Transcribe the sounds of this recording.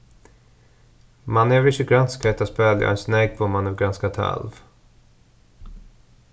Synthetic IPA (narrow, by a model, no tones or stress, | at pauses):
manɛvɾɪʃɪɡɾanskʰɛt̪aspɛːlja̰ɛnsnɛɡ̚pʰɔmanɛvɡɾanskat̪ʰa̰lv